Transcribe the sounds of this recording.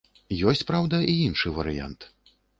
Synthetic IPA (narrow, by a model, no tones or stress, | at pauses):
jɔsʲt͡sʲpɾawd̪ɐʔiinʂɨvɐɾɨja̰nt̪